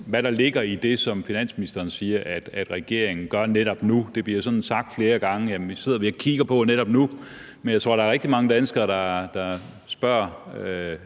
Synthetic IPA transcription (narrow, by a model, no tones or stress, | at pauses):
ʋæɾ̥ɑ̈le̝ɡ̥ɐid̥e̝sɒ̽mfinæn̰sminisd̥ɐːnsiːɐʔæd̥æd̥ʁɛɡ̥e̝ɐ̰eŋn̩ɡ̥ɶɐneɾɒ̽b̥nud̥e̝b̥liɐsɒ̽dn̩sɑ̈ɡ̥̚d̥fle̝ːɐɡ̥ɑ̈ŋəjæmise̝ð̞̰ˠɐʋiækʰiɡ̥ɐpʰɒ̽neɾɒ̽b̥̚nu | menjɑt͡sʰʁo̝ɐ̰̥ɑ̈æɐʁɛɡ̥d̥imɑ̈ŋəd̥ænəsɡ̥ɐːd̥ɑ̈d̥ɑ̈ | sb̥ɶɐ̰